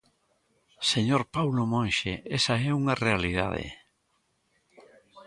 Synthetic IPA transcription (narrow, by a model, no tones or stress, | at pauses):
seɲoɾpawlomõnʃeʔɛsɐɛuŋɐrealið̞a̰ðḛ